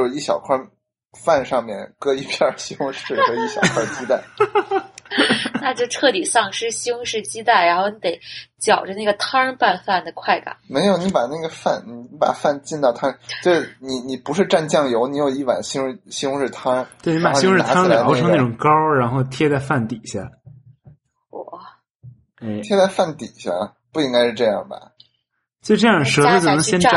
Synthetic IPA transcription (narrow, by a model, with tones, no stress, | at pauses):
o˥˧ʂi˥˩ɕjɑ˨˩ʊkʰwa˥˧ | fa˥˧nʂɑ˥˧ŋmjɛ̰˥˩nkɤ˥i˥˧pʰjɑ˥˧ɕʊ˥ŋʂɻ̩˥˩xɤ˧˥i˥˩ɕjɑ˨˩kʰwa˞˥˧˩t͡ɕi˥t̪a˥˩ɪ | na˥˧t͡ɕjo˥˧ʊʈ͡ʂʰɤ˥˩t̪i˨˩sɑ˥˩ŋʂɻ̩˥ɕi˥ŋʂɻ̩˥˩t͡ɕi˥t̪a˥˩ɪɻa˧˥nxo˥˩ʊni˧˥t̪e˧˩˦ɪt͡ɕjɑ˨˩ʊʈ͡ʂə˦na˥˩ɡə˩t̪ʰɑ˥npa˥˧nfa˥˩nd̪ə˩kʰwa˥˩ɪka̰˨˩˦me˧˥ɪjo˧˩ʊni˧˥pa˨˩na˥˩ɡə˩fa̰˥˩nni˨˧˩pa̰˨˩fa˥˧nt͡ɕi˥˧nt̪ɑ˥˩ʊt̪ʰa˥t͡ɕjo˥˧ʊʂɻ̩˥˩ni˨˧˩ni˨˩pu˧˥ʂɻ̩˥˧ʈ͡ʂa˥˧nt͡ɕjɑ˥˩ŋjo˧˥ʊni˧˥jo˨˩i˥˩wa̰˨˩nɕi˥˧ɕŋʂɻ̩˥˩t̪ʰɑ˥tt̪we˥˩ɪni˧˥a˨˧ɕŋɻ̩˥˧˩t̪ʰʊʈ͡ʂʰɤ˥ŋna˥˩ʈ͡ʂʊ˨˩ŋkɑ˥ʊɻa˧˥nxo˥˧ʊt̪ʰjɛ˥t͡sa˥˧ɪfa˥˩nt̪i˨˩˦ɕja̰˥˩ | wɔ̰˧˥˩ | e˥˩ɪjɛ˥t͡sa˥˧ɪfa˥˩nt̪i˨˩˦ɕja̰˥˩ | pu˥˩i˥ŋka˥ɪʂɻ̩˥˧ʈ͡ʂɤ˥˧jɑ̰˥˩ŋbɐ̰˩ | t͡ɕʈ͡ʂɤ˥˧jɑ˥˩ŋʂɤ˧˥t͡sə˥˧˩t͡ɕo˨˩nɤ˧˥ŋɕjɛ˥n˥˨˩